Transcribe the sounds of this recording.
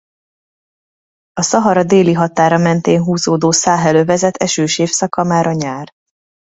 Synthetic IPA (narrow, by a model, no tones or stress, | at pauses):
ɒsɒɦɒɾɒd̪eːliɦɒt̪aːɾɒmɛnt̪eːnɦuːzoːd̪oːsaːɦɛløvɛzɛt̪ʰɛʃøːʃeːfsɒkɒmaːɾɒɲaːr